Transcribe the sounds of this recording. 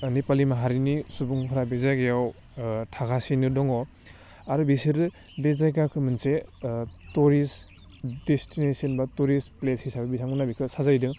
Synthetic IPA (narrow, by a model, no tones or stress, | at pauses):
nipalimaɦaɾinisubuŋpʰaɾabezajɡejaw | tʰaɡʰasinɯdɔŋɔ | aɾubisiɾɯ | bezajkakʰɯmɯnse | tuɾis | destinesiɔnbatuɾispleshʰisabɐbisamɡɯnabikʰɯsazajdɯŋ